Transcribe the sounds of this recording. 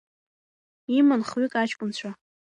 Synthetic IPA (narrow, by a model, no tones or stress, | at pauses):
imɨnχɥikʼat͡ʃʰʼkʷʼʊnt͡ɕʷʰa